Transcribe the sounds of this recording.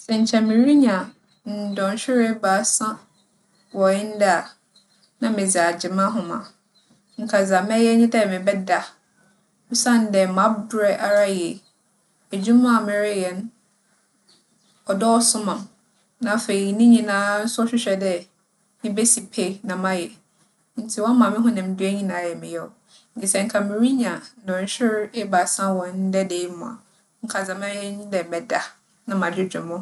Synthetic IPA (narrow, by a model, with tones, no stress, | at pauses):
sɛ˨ɲ̩˨t͡ɕʰɛ˨mɪ̃˨ɾi˦ɲã˨ | n̩˨dɔ̃˨n˨ɕᶣɪ˦ɾe˦baː˨˦sã˦ | wɔ˨ɪ̃˦n̩˦da˦a˨ | nã˨mɪ̃˨d͡za˨d͡ʑɪ˨mã˦ɦʊ̃˨mã̰˨ | ŋ̩˨kʰa˨za˨mɛ˦jɛ˦ɲɪ̃˦dɛ˦˨mɪ̃˨bɛ˦da˨ | ʊ̃˦sã˦n˦dɛ˨mã˦bɾɛ˦ʔa˨ɾa˦jɛ˨ | e˨d͡ʑũ˦mã˦˨mɪ̃˦ɾɪ˦jɛ˨n˦ | ɔ˨dɔ˦ɔ˦sʊ̃˦mã˨m | nã˨˦˨fe˨i˨nɪ̃˦ɲĩ˨nãː˦n̩˦sʊ˦ɔ˦ɕᶣɪ˦ɕᶣɛ˨dɛ˦ | nɪ̃˦be˦si˨pʰe˦nã˨mã˦jɛ˨ | n̩˦tʰɪ˦wɔ̃˦mã˨mɪ̃˦ɦʊ̃˦nɪ̃˨m̩˨˦dʊ˦e˦ɲĩ˦nãː˨˦˨jɛ˨mɪ̃˨jɛ˦˨ɔ˨ | ŋ̩˦kʰi˨sɛ˨ŋ̩˨kʰã˨mɪ̃˨ɾi˦ɲã˨˦ɔ̃˨˦ɕᶣɪ˦ɾe˦ba˨sã˦wɔ̃˨n˦dɛ˦de˨˦mʊ̰̃˨a̰˨ | ŋ̩˨kʰa˨d͡zã˨mã˦jɛ˦nĩ˦dɛ˨mɛ˨da˨ | nã˨mã˨d͡ʑᶣɪ˦d͡ʑᶣʊ̰̃˨mʊ̃˦